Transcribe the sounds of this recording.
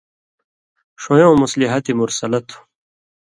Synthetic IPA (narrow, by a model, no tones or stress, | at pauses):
ʂõjõːmusliɦɐt̪imuɾsɐlɐt̪ʰu̥